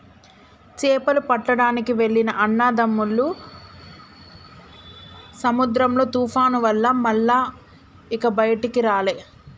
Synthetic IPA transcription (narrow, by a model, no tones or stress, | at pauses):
t͡ʃɛːpɐlupɐʈːɐɽaːnikiʋe̞ɭːinɐʔɐnːaːd̪ɐmːulːu | sɐmud̪ɾɐmlo̞ːt̪uːpʰaːnuʋɐlːɐmɐlːaː | ikɐbɐjɐʈikiɾaːle̞ː